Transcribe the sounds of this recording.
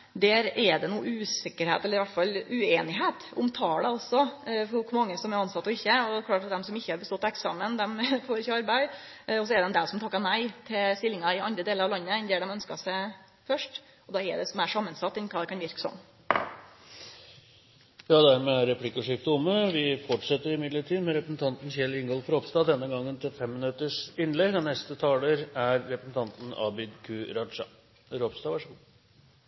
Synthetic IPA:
d̪æːɾɛɖɛnuːəʉːsɪkːəɾhḛt̪ɛlːəɾɪʋæʈfɑlʉːeːnɪɦeːt̪ʊ̰mt̪ʰɑːɽɛɔsɔfɔkːmɑŋːəsɔmɛɾɑnsɑt̪ːɔɪçːəɔɛklɑːʈɑt̪̚d̪ɛmsɔmɪçːəhɑɾbəst̪ɔt̪ːɑɛksɑːmənd̪ɛmfɔɾɪçəɑɾbæɪ | ɔs̬ɔɛɾd̪ɛnd̪ɛsɔmt̪ʰɑkːɑnæɪt̪ʰɪst̪ɪlːɪŋɑɪɑnd̪ɾəd̪eːləɾɑʋlɑnːəɛnd̪eːɖɛmœnskɑsæɪ | fœʂʈ | ɔd̪ɑːɛ̰d̪ɛsɔmæʂɑmːənsɑt̪ːɛnkʰɑːd̪ɛkɑnʋɪɾkə̥sɔ̰m | jɑːd̪æɾmɛæɾɾɛpʰlɪkːɔʂɪːft̪əʊmːəʋɪfɔʈʂɛt̪ːəɾɪmɪd̪ləʈʰiːd̪mɛɾɛpɾəsn̩t̪ʰɑnt̪n̩çɛlɪŋɡɔlfɔɾɔpst̪ɑːd̪ɛnːəɡɑŋːənt̪ʰɪlfɛmːɪnʉt̪əʂɪnlɛɡ̪ɑnɛst̪ət̪ʰɑːləɾæɾːɛpɾəsn̩t̪ʰɑnt̪n̩ɑ̰bɪd̪kʰʉːɾɑʂɑ | ɾɔpst̪ɑːʋɑʂəɡu

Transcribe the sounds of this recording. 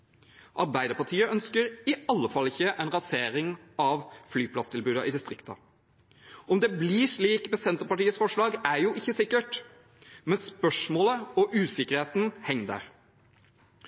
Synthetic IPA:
ʔɑɾbæɪd̪əpɑʈʰiːəʔœnskəɾɪɑlːəfɑlːɪçːəʔɛɪnɾɑseːɾɪŋɑʋflyːpʰlɑst̪ʰɪlbʉːd̪ɑʔɪd̪ɪst̪ʁɪkt̪ɑ̰ | ɔmd̪ɛbliʂɭiːkmɛsɛnt̪əɾpɑʈiːət̪sfɔʂɭɑːɡæɾjuːʔɪçːəsɪkːəʈ | mɛnspœʂmoːləɔʔʉːsɪkəɾheːt̪n̩hɛŋːd̪ə̰ɾ

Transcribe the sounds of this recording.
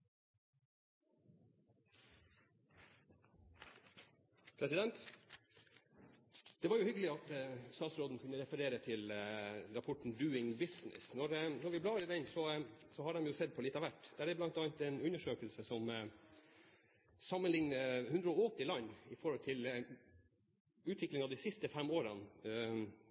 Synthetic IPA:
pʰɾɛsɪd̪ɛnt̪ | d̪̥ɛʋɑːɾjʊhʏɡəlɪɑt̪əst̪ɑːt̪sɾoːd̪n̩kʰʉnːəɾɛfəɾeːɾət̪ʰɪlɾɑpʰɔʈɳ̩d̪ʉːɪŋbɪsnɪ̰snɔɾnɔɾʋɪblɑːɾɪd̪ɛnsɔsɔɦɑɖɛmjʊsɛd̪̚pʰɔlɪt̪ɑʋæʈːd̪̥ɛæɖɛblɑnt̪ɑnt̪ɛːnʉɲːəʂøːkəlsəsɔm | sɑmːənlɪŋnəhʉnd̪ɾəɔɔt̪ɪlɑnːɪfɔɾhɔlt̪ʰɪl | ʉːt̪ʰʋɪklɪŋɑʋd̪isɪst̪əfɛmoːɾɑn

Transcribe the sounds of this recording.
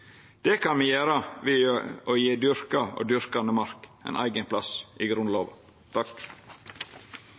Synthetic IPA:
d̪̥ekʰɑnmiːjæːɾəʋioːjeːd̪ʏɾkɑo̰ːd̪ʏɾkɑnəmɑɾkʔɛ̰ɪnʔæ̰ɪɡənpʰlɑsʔiɡɾʉnloːʋɑ̰ | t̪ʰɑk

